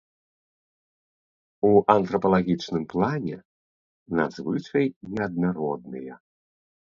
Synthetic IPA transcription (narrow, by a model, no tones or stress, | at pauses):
uʔɐnt̪ɾɐpɐlˠaɣʲit͡ʂnɨmplˠanʲɛ̰ | na̰d̪zvɨt͡ʂɐjnʲɛɐd̪̚naɾɔd̪nɨ̰jɐ